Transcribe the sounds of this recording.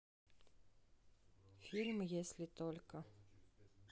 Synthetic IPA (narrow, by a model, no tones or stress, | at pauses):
fʲilʲmjesʲlʲɪt̪olʲkə